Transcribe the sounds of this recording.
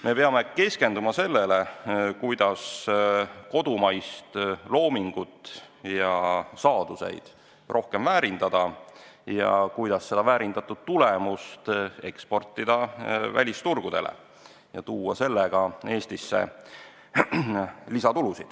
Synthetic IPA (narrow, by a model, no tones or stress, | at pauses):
me̞pe̞ɑme̞ke̞ske̞nd̪umɑse̞lːele̞kujd̪̥ɑs | ko̞d̪̥umɑjst̪lo̞ːmiŋɡ̥ut̪ːˑ | jɑsɑːd̪̥use̞̰jd̪̥ | ro̞hke̞mvæːɾind̪̥ɑd̪̥ɑjɑ̰kujd̪̥ɑsːe̞d̪ɑvæːɾind̪̥ɑt̪ːˑud̪̥̚t̪ulemust̪e̞kspo̞rt̪ːid̪̥ɑvæ̰lʲist̪urɡ̥ud̪̥e̞̰lʔ | jɑt̪uːɑ̰se̞lːeɡ̥ɑe̞ːst̪isːḛ | lisɑt̪ulusid̪̥